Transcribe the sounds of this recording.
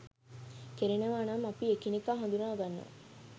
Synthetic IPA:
keɾineʋaːnamɐpiekinikaːɦõnd̪unaːɡɐnːo̰

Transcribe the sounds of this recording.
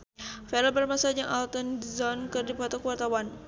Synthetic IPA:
fɛlɔbɛlmasad͡ʒaŋʔalt̪ənzɔnkərdipat̪ɔkuwart̪awan

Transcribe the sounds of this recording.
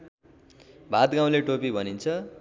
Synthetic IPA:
bʱat̪ɡãw̃leʈopibʱʌnint͡sʰʌ

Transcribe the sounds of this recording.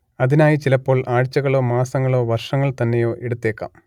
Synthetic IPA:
ɐðinaːjit͡ɕilɐpːo̞ːɭʔaːɻt͡ɕːɐɣɐɭo̞ːmaːsɐŋːɐɭo̞ːʋɐrʂɐŋːɐɭt̪ɐnːejo̞ːʔeɽut̪ːe̞ːkːa̰ːm

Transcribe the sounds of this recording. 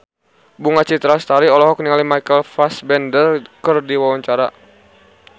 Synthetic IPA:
buŋat͡ʃit̪ɾast̪aɾiɔlɔɦɔk̚niŋalimajkəlfasbɛndərkərdiwawaɲt͡ʃaɾa

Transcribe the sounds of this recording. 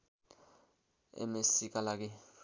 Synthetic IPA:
ɛ̰mesik̬ʼalak̬ɛ

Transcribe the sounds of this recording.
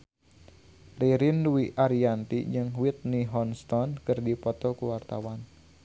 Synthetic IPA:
riɾinduwiʔaɾiant̪id͡ʒɨŋwit̪̚niɦɔnst̪ɔnkɨrdipɔt̪ɔkuwart̪a̰wan

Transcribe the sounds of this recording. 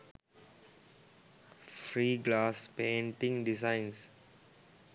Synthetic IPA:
fɾiːɡlaːspẽːɳʈɪ̃ŋɖɪzãɪ̃ns

